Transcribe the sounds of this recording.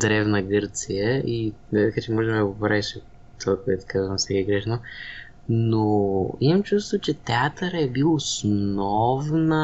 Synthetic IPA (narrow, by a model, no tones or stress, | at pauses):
d̪ɾɛvnəɡɤɾt̪sijəʔi | t̪kat͡ʃɛmɔʒɛmɛd̪əɡopɾaviʃɛ | t̪olkɛt̪kazvəmsɛkiɡɾɛʃno | noimɐmt͡ʃust̪vot͡ʃɛt̪ɛat̪əɾəɛbilˠosnɔvnə